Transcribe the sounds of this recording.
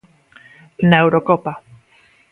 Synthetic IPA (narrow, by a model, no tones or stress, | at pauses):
newɾokopa